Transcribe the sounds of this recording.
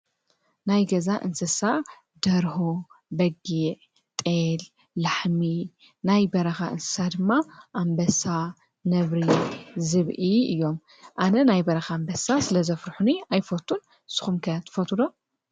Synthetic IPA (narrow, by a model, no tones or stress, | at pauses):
najɡɐzaʔɨnsɐsa | d̪ɐɾhubɐɡiʕ | t̪ʼel | laħmi | najbɐɾɐxaʔɨnsɨ̥sad̪ɨmːaʔambɐsa | nɐβɾizɨβʔiɨjːo̞m | ʔanɐnajbɐɾɐxambɐsasɨlɐzɐfɾħuniajfot̪ʰːun | sɨ̥xumkʰɐt̪ʰɨ̥fot̪ʰud̪o